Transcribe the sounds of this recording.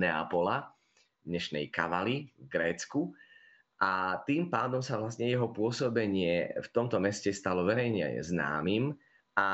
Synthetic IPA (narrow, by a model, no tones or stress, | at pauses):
nɛa̰pɔla | d̪ɲɛʃnɛ̰jka̰ʋalivɡɾɛːt͡sku | ʔat̪iːmpaːd̪ɔmsaʋlast̪ɲɛjɛɦɔpʊɔsɔbɛɲɪɛft̪ɔmt̪ɔmɛscɛst̪alɔʋɛɾɛjɲɛ̰zna̰ːmim | ʔa